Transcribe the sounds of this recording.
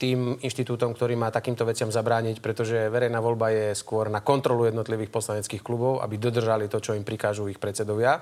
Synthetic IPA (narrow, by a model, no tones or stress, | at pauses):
t̪iːminʃt̪it̪uːt̪ɔmkt̪ɔɾiːmaːt̪akiːmt̪ɔʋɛt͡sɪamzabɾaːɲicpɾɛt̪ɔʒɛʋɛɾɛjnaːʋɔʎbajɛskʊɔɾnakɔnt̪ɾɔlujɛd̪nɔt̪liʋiːxpɔslaɲɛt͡skiːxklubɔʊʔa̰bid̪ɔd̪r̩ʒalit̪ɔt͡ʃɔimpɾikaːʒuixpɾɛt̪t͡sɛd̪ɔʋɪa